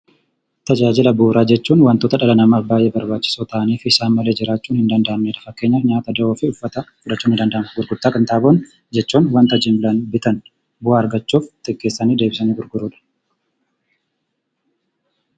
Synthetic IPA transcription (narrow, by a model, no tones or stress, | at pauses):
t̪ɐd͡ʒaːd͡ʒɪlɐbuːɾaːd͡ʒɛt͡ʃːuːnwɐnt̪oːt̪ɐᶑɐlɐnɐmaːfbaːjʔeːbɐɾbaːt͡ʃːɪ̥soːt̪aʔniːfɪɪsaːnmɐle̞ːd͡ʒɪɾaːt͡ʃːuːnhɪnd̪ɐnd̪ɐʔɐmneːᶑɐfɐkːe̞ːɲːɐɲaːt̪ɐd̪ɐoːfɪʊfːɐt̪ɐfʊᶑɐt͡ʃːuːnhɪnd̪ɐnd̪ɐʔːnɡʊɾɡʊɾt̪ːaːkʼɐnt̪aːboːn | d͡ʒɛt͡ʃːuːnwɐnt̪ɐd͡ʒɪmblɐnbɪt̪ɐn | bʊhaɐɾɡɐt͡ʃːuːft̪ɪkːe̞ːsːɐniːd̪e̞ːbɪsɐniːɡʊɾɡʊɾuːᶑɐ̥